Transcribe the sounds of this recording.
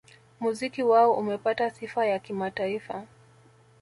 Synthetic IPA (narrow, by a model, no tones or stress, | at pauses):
muzikiwaɔʔumɛpatasifajakimataifa